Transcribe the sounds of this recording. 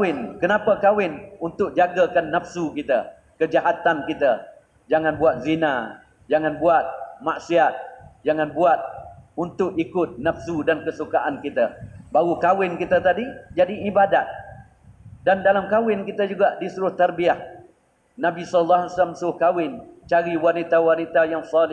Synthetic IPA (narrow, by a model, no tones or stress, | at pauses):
ɪnkənapakawɪnunt̪ʊk̚d͡ʒaɡakanːəfsukit̪a | kəd͡ʒaɦat̪ankit̪a | d͡ʒaŋanbuat̪̚zina | d͡ʒaŋanbuat̪̚maʔsiat̪̚d͡ʒaŋanbuat̪̚unt̪ʊkikʊt̪̚nəfsudankəsukaʔankit̪abaɣukawɪnkit̪ət̪adid͡ʒadiːbadat̪̚ | dandalamkawɪnkit̪əd͡ʒuɡaʔdisuɾʊht̪arbiah | nabisɔləlːaɦalasamsuɾʊhkawɪnt͡ʃaɾiwanit̪awarnit̪ajaŋsɔlɪ